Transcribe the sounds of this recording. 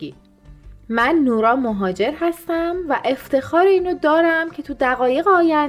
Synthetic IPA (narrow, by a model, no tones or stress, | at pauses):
i | mænːuːɾɒːmoɦɒːd͡ʒe̞ɾɦæst̪æmvæʔe̞ft̪ʰe̞xɒːɾeiːnod̪ɒːɾæmcʰe̞t̪ʰud̪æɣɒːje̞ɣeɒːjæ